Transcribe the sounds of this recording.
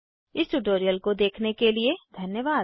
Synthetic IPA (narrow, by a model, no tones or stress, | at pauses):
ɪsʈuʈoːɾijəlkod̪eːkʰnekelied̪ʱɐnjəʋaː